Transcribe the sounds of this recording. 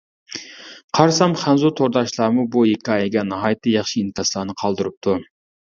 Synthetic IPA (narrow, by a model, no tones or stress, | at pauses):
qʰɑɾsɑmχænzut̪ʰoɾd̪ɑʃlˠɑmubuekʲɑeɡʲɛnɦɑjt̪ɨjɑχʃiint̪ʰɑslˠɑːnɨqʰɑlˠd̪ɨɾup̚t̪ʰu